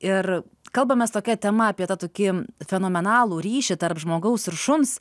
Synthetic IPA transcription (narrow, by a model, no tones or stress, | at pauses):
ɪr | kɐlˠbɐmʲɛst̪oːkʲɛt̪ʲɛmɐɐpʲiɛt̪ɐt̪oːkʲɪfʲɛnoːmʲɛnɑːlˠuːɾʲiːʃʲɪt̪ɐrpʒmoːɡɐʊsɪɾʃʊms